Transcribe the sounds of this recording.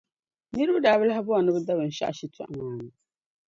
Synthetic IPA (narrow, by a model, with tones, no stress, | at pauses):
nɨ˦ɾɨ˦bɨ˦daː˨bɨ˦la˦ɦa˦bʊ˦a˨nɨ˦bɨ˦da˦bɨ˨n̩˨ʃa̰˦ʔʃi˦tʰɔ̰˦˨ʔa˨maː˨˦˨nɨ˦˨